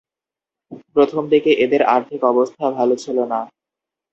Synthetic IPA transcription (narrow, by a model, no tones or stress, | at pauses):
pɾot̪ʰomd̪ikeʔed̪eɾa̰ɾt̪ʰikɔbost̪ʰabʱalot͡ɕʰilona